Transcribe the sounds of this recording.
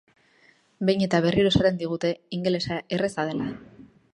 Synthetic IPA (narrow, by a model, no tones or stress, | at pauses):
be̞jɲe̞t̪aβ̞e̞riɾosaɾe̞nd̪iɣ̞ut̪e̞iŋɡe̞le̞sae̞re̞sað̞e̞la